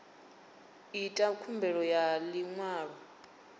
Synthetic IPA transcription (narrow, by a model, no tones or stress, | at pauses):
itʼakʰumbʱɛɺɔjaliŋwaːɺɔ